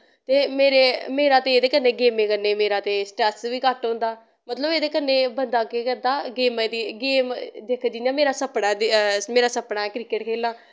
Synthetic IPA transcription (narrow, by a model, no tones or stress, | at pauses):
t̪eːmeːɾeːmeːɾaːt̪eeːd̪eːkənːeːɡeːmẽːkəneːmeːɾaːt̪eːsʈɾɛːsʋiːkəʈɦõːnd̪aː | mət̪ləbeːd̪eːkənːeːbənd̪aːkekəd̪aːɡeːmẽd̪iːɡeːmd̪eːkʰd͡ʒinaːmeːɾaːsəpɽaːmeːɾaːsəpɳaːkɾɪːkeːʈkʰeːlaː